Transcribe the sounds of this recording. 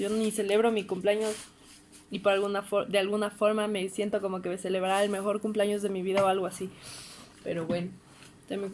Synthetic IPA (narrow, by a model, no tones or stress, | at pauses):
ʝonise̞le̞β̞ɾo̞mikumpleaɲo̞s | ipoɾalɣunafod̪ealɣunafo̞ɾmame̞sje̞nt̪o̞ko̞mo̞kese̞le̞βɾaɾelme̞xo̞ɾkumpleaɲo̞zðe̞miβ̞iðaoalɣoasi | pe̞̰ɾo̞βwe̞no | d̪emi